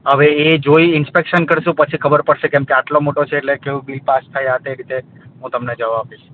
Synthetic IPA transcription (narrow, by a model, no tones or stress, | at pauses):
ɦəʋeed͡ʒoiɪnspekʃənkəɾʃũpət͡ʃʰikʰəbəɾpəɽʃekɛ̃mkeaʈlomoʈot͡ʃʰeːʈlekeʋũbilpast̪ʰəjət̪eeɾit̪eɦũt̪əmned͡ʒəʋaabiʃ